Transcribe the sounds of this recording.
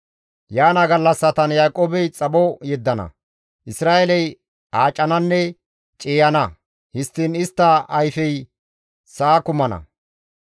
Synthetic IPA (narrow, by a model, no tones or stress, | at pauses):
jaːnɐɡɐlːɐsːɐt̪ɐnjaːkʼoːbɛjt͡sʼɐbɔjɛd̪ːɐnɐ̰ | ʔɪsɾaːʔelɛj | ʔaːt͡ʃʼːɐnɐnːɛ | t͡ʃʼeːjɐnɐ | hɪst̪ːinɪst̪ːɐɐjfɛj | saːkʊmɐnɐ̰